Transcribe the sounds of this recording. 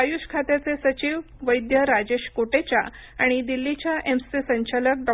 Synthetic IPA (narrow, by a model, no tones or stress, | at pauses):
ajuɕkʰat̪jat͡sesət͡ɕiːʋ | ʋəjd̪jəɾad͡ʑeɕkoʈet͡ɕja | a̰ɽ̃id̪ilːit͡ɕjaʔemsisəɲt͡ɕalək̚ɖɔ